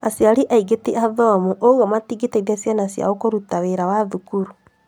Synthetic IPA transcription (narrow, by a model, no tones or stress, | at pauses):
asjaɾiʔaiɡeteʔaðɔmuʔoɣɔmatiɡeteidasjanasja̰okoɾutaweɾawaðukuɾu